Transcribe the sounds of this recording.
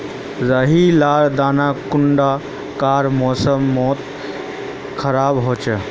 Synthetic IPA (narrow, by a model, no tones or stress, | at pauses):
zəɦilaːld̪aːnakuɳɖa | kaːɾmɔːsəmːɔːt̪ | kʰəɾaːbɦoːt͡ʃə